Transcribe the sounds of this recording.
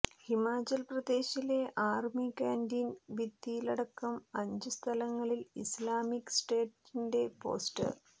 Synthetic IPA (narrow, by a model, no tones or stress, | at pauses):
himaːt͡ɕɐlprɐd̪e̞ːɕile̞ʔaːrmikaːndinʋid̪ijilɐɽɐkːɐmɐɲd͡ʑɨst̪ʰɐlɐŋːɐɭilislaːmikːsʈe̞ːʈːinde̞po̞̰ːsʈɨ̰